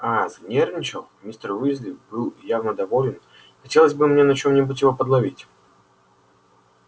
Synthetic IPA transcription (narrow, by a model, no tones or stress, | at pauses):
aznʲernʲɪt͡ʃəlˠmʲist̪ərvɨzʲlʲɪbɨlˠjavnəd̪ɐvolʲɪn | xɐtʲelˠəzʲbɨmʲnʲeɛnɐt͡ɕomnʲɪbutʲjɪvopəd̪lˠɐvʲitʲ